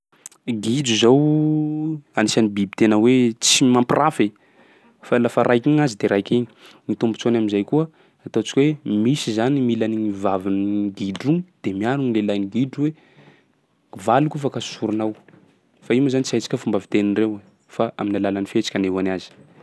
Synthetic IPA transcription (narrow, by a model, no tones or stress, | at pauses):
ɡid͡ʒuzow | anisanibibi̥t̪enəwet͡simampirʔafe | falafaɾʔajkʲiɲazid̪eɾajkʲiɲinit̪umbut͡sonaminzajkuə | at̪ot͡ʃi̥kʲwemisizanimilaniŋivavinɡiɖ͡ʐud̪̥emiaɾunilelaniɡiɖ͡ʐuwe | valukufakasuɾunaw | faimazanit͡siajt͡si̥kʲəfumbavit̪eninrew | faʔa̰minalalanifet͡ʃi̥kʲaneanazi̥